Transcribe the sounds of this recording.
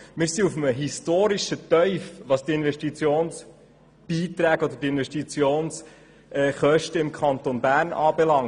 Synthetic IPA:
mɪːɾsiufəməɦistoːɾiʃət̪œʏfʋɑːstiɪnvɛʃtit͡sjoːns | b̥iːt̪ɾæːɡ̥ɔd̪ədiɪnʋɛʃtit͡sjoːns | ɛχœʃtəɪmkʰɑnt̪onbæːɾnʔɑːbɛlɑŋ

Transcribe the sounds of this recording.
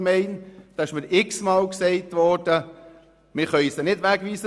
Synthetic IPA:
mɛɪnd̥ɑɪʃməɾɪksmɑːlksɛɪtʋɔɾd̥ə | mɪχœɥisd̥̪ɛnɪdʋæɡʋiːsə

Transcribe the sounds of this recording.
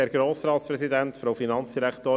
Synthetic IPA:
ɛːɾɡɾoːssɾɑːt̪spɾɛsid̪ænt̪fɾowfinɑnt͡sd̥̪iɾækt̪oː

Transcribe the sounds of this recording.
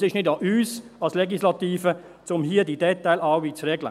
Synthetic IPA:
sɪʃnɪdɑʔyːsɑlslɛɡislɑt̪iːfə | t͡sʊmɦiːədiːdɛtaɪlaʊviːt͡srɛɡlə̰

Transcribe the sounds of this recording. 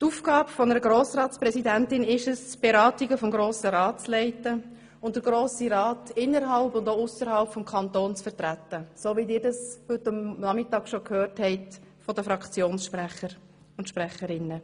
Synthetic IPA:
tuːfɡɑːbəfɔnəɾəɡɾoːsɾɑːtspɾɛsidæntɪnɪʃəsb̥eɾɑːtiɡəfɔmɡɾoːsəɾɑːt̚t͡slɛɪtə | ʊnt̚d̥əɾɡ̥ɾoːsiɾɑːtɪnːəɾɦɑlbʊndoʊʊsəɾhɑlpfɔmkʰɑnt̪oːnt͡sfəɾtɾætːəsoːʋidɪːɾdɑshʏtːɑmnɑmɪtɑːɡ̥ʃokʰhøːrthɛɪt | fɔdəfɾɑkt͡sjoːnsʃpɾæχəɾ | ʊntʃpɾɛχəɾɪnːə

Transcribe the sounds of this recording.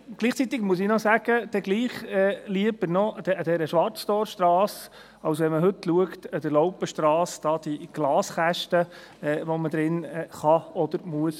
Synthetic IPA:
ɡ̥liːχt͡sit̪ɪɡmuəs̬ɪnɔsæɡ̥əd̪̥ɛɡliːχɛliəb̥əɾnɔd̪ɛd̪ɛɾəʃʋɑɾt͡sd̥̪ɔːɾʃt̪ɾɑːs | ɑwsʋɛnməɦɵt̪luəktəd̪əlɔwpəʃtɾɑːsd̥ɑːd̪̥iɡ̥lɑːsχæʃtə | ɛːʋɔməd̪ɾɪnɛχɑɔd̪əɾmuəs

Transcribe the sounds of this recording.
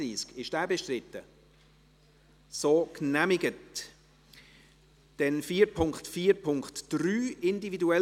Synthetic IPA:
iːskɪʃd̥æːbɛʃtɾɪtːə | soːknæmɪɡət | d̥ɛnfiːəɾpʰʊŋktfiːɾpʰʊŋktd̥ryːɪndividuɛ

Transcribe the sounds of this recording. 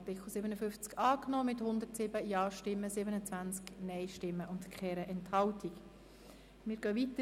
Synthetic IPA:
tɪkχl̩ˠsɪbənəfʏft͡skɑːknoːmɪthʊnd̪əɾtsɪbəjɑːʃtɪmːəsɪbənət͡sʋænt͡sknɛɪʃtɪmːəʔʊntkχɛːɾəʔɛnthɑltʰik | mɪːɾɡ̥œvit̪ə

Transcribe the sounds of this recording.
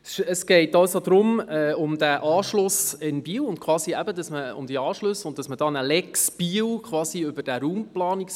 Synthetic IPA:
ʃəsɡ̥ɛɪtɑwsod̪ɾʊmɛʊmd̥̪æʔɑːʃlʊsɪnbiːwʊntkʰʋɑːsiæbədɑsməʊ̰md̥̪iɑːʃløsʊnt̚d̥ɑsmədɑːnəlɛksb̥iːwkχʋɑːsiʏbəd̥æɾuːmplɑːnik

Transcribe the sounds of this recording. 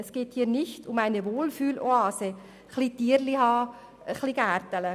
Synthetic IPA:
ɛsɡ̥eːthiːɾnɪçtʊmaɪnəʋoːlfyːloɑːsə | χlitiːəɾlihɑː | əχliɡ̥æːɾtələ

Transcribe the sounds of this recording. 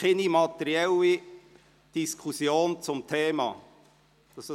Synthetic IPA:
ɪnimɑt̪ɛɾiɛli | d̥iskʰusjoːnt͡sʊmt̪ʰeːmɑ̰ː | d̥ɑs

